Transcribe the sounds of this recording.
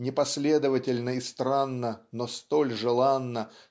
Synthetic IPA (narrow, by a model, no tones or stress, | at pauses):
nʲɪpɐsʲlʲe̞d̪əvətʲɪlʲnəɪst̪ɾanːənost̪olʲʐɨlˠanːə